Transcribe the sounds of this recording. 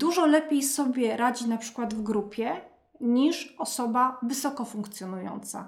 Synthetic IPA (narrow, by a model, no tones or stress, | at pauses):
d̪uʐɔlɛpʲjejsɔbʲjɛɾad͡ʑinapʂɘ̥kwad̪vɡɾupʲjɛ | ɲiʂɔsɔbavɘsɔkɔfuŋkt̪sʲjɔnujɔ̰nt̪sa̰